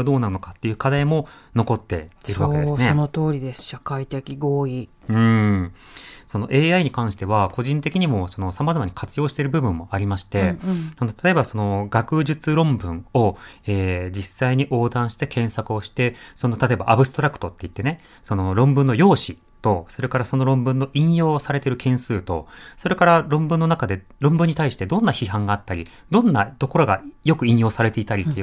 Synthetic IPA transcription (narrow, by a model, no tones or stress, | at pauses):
d̪o̞ːnaɯno̞kat̪ːe̞jɯ̟ːkad̪aimo̞no̞ko̞t̪ːe̞̰iɾɯβaked̪eneonot̪oːɾʲid̪esɨ̥ɕakait̪ekʲiɡoːi | ɯ̟̃ | so̞no̞ʔe̞ːaiɲ̟ikãɰ̃ɕi̥t̪e̞βako̞ʑĩnt̪e̞kʲiɲ̟imo̞so̞no̞samazamaɲ̟i̥kat͡sɨjo̞ːɕi̥t̪e̞ɾɯ̟bɯ̟bɯ̟̃mːo̞aɾʲimaɕi̥t̪e̞nand̪ot̪ʰat̪o̞ebaso̞no̞ɡakɯ̟ʑɨt͡sɨɾõ̞mbɯ̟̃ɴo̞eːd͡ʑisːaiɲ̟iʔo̞ːd̪ãɰ̃ɕi̥t̪e̞kʰẽ̞ɰ̃sakɯ̟o̞ɕi̥t̪e̞so̞not̪at̪oe̞ba̰ʔabɯ̟st̪o̞ɾakɯ̥t̪ot̪ːe̞it̪ːe̞ne̞ | so̞no̞ɾõ̞mbɯ̃nːo̞jo̞ːɕi | t̪o̞so̞ɾe̞kaɾaso̞no̞ɾõ̞mbɯ̟̃nːo̞ʔĩɰ̃jo̞ːsaɾe̞t̪eɾɯ̟kʰẽ̞ɰ̃sɨːt̪o̞so̞ɾe̞kaɾaɾõ̞mbɯ̟̃nːonakad̪e̞ | ɾõ̞mbɯ̟ɲ̟ːit̪aiɕi̥t̪e̞d̪õ̞nːaçiɦãŋɡaːt̪ːaɾʲi | d̪õ̞nːad̪o̞ko̞ɾo̞ɡa̰jo̞kɯ̟ĩɰ̃jo̞ːsaɾe̞t̪e̞it̪aɾʲit̪ːe